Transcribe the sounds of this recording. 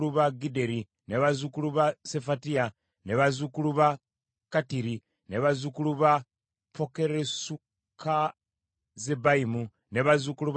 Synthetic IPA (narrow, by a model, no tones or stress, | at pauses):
luβaɡide̞ɾi | neβazukuluβasefatia | neβazukuluβa | katiɾi | neβazukuluβa | pʰo̞ke̞ɾesu | kʰa | zebaimu | neβazukuluβ